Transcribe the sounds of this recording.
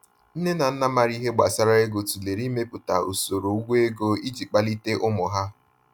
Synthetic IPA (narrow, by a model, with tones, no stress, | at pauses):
n̩˦ne˦na˨n̩˦na˦ma˨ɾi˦ɦe˦ɡ͡ba˨sa˦ɾa˦e˦ɡo˨tu˨le˨ɾi˦me˦pʊ˨ta˨o̰˨so˨ɾo˨u˦ɡʷe˦e˦ɡo˦i˦d͡ʒi˨k͡pa˦li˦te˦ʔʊ˦mʊ˨ɦa˦